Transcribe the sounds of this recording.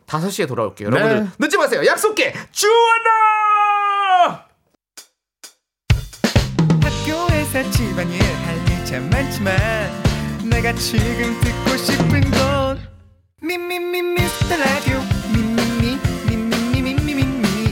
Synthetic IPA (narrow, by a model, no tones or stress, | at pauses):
tasʰʌɕ͈ietoɾabo̰kejojoɾʌbundɯɭnɯt͡ɕ͈ʰimas̬ʰe̞jojak̚s͈ok͈e̞t͡ɕuʌna | hak̚k͈joesat͡ɕʰimaɲiɾaɭmit͡ɕemmant͡ɕʰimanːeɡat͡ɕʰiɡɯnsʰɯkk͈oɕʰipʰːɯnɡʌ | mimːimːimːistʰɯɾadjomimːimːimimːimːimimːimimːi